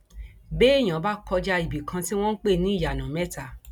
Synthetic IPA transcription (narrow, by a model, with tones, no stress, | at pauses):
be˦e˦˨j̃ã˨˦ba˦kɔ˧d͡ʒa˧i˨bi˨kʰã˧ti˦w̃ɔ̃˦n̩˦k͡pe˦˨nĩ˨˦˨ja˨nã˨mɛ˦ta˨